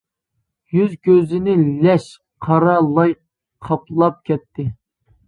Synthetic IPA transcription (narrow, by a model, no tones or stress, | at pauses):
jyzɡʲøzɪnɪlɛʃ | qʰɑɾɑlˠɑj | qʰɑplˠɑp̚kʲʰɛt̪ʰːɪ